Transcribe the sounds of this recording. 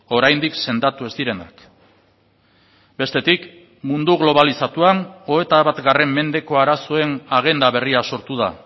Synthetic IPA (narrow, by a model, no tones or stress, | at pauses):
o̞ɾajnd̪ikse̞nd̪at̪ue̞zd̪iɾe̞ndak | be̞st̪e̞t̪ik | mund̪uɣlo̞β̞alisat̪uano̞e̞t̪aβat̪ɡare̞mːe̞nd̪e̞ko̞aɾaso̞e̞naɣ̞e̞nd̪aβe̞riaso̞ɾt̪uða